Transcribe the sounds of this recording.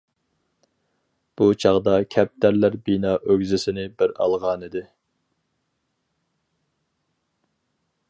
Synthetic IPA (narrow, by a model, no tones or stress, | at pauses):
b̥ut͡ʃʰɑʁd̪ɑkʲʰɛp̚t̪æɾlæɾbinɑːʔøɡʲzɪsɪnɪbɪɾɑ̰lˠʁɑnid̪ɪ